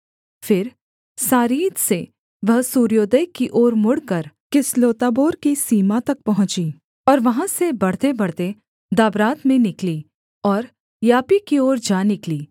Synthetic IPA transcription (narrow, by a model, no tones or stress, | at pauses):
fɪɾ | saːɾiːd̪se | ʋɐɦsuːɾijoːd̪əjkiʔoːɾmʊɽkɐɾ | kɪsloːt̪aːboːɾkisiːmat̪ɐk̚pɐɦʊ̃t͡ʃiː | ɔːɾʋɐɦãsebɐɽ̤t̪ebɐɽ̤t̪e | d̪aːbɾaːt̪mẽnɪkliː | ɔːɾ | jaːpikioːɾd͡ʒaːnɪkliː